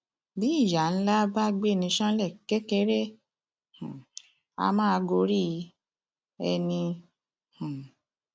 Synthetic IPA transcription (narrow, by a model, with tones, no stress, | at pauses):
bi˨˦i˦˨ja˨n̩˦la˦ba˦ɡ͡be˦˨nĩ˧ʃã˦lɛ˦˨ke˦ke˧˦ɾe˦ | hã˨ | a̰˧mãː˦˧ɡo˧ɾi˦˧˦ | ɛ˧nĩ˧ | hã˨